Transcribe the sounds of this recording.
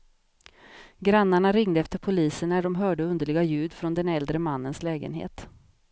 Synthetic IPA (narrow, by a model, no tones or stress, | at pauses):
ɡɾanːaɳaɾɪŋd̪əɛft̪əɾpʰʊliːsənːæɖɔmɦœːɖəɵnd̪əɭɪɡajʉ̟ːd̪fɾɔnd̪ɛnɛld̪ɾəmanːənslɛːɡə̰nɦḛːt̪